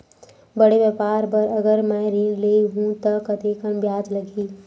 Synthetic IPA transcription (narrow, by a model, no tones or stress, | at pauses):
bɐɽeʋjəpaːɾbɐɾɐɡəɾmɛ̃ːɾĩleɦũt̪ɐkɐt̪eːkənbjaːd͡ʒlɐɡʱiː